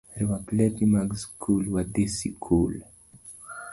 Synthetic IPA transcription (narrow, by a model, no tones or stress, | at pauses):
ɾiwaklɛtimaɡskʰulwad̪esikʰul